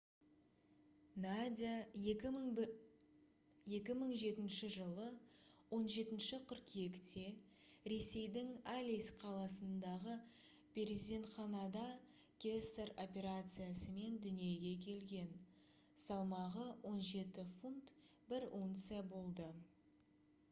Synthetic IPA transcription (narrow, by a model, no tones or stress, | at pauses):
nad̪ʲi | je̞kʲɪməɴʒe̞t̪ɪnʃɪʒəlˠəwo̞nʒe̞t̪ɪnʃɪqʲʰʏɾkʲʰije̞kt̪e̞ | ɾe̞se̞jd̪ɪŋalʲijsqʰɑlˠɑsənd̪ɑʁə | pʲʰe̞ɾʲizʲd̪ʲe̞nt̪χɑnɑd̪ɑ | kʲʰeseɾo̞pʲe̞ɾat̪sɨjasəme̞nd̪ʏnije̞ɡʲe̞kʲʰe̞lɡʲe̞n | sɑlˠmɑʁəwʔo̞nʒe̞t̪ɪfunt̪ | bɪɾont̪sɨjabo̞lˠd̪ə